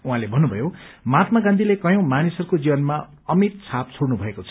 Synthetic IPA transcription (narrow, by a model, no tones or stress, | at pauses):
uɦãlebʱʌnːubʱʌjomat̪maɡãnd̪ʱilekʌjõw̃manisʌrkod͡zibʌnma | ʌmit̪̚t͡sʰap̚t͡sʰoɽnubʱʌekot͡sʰʌ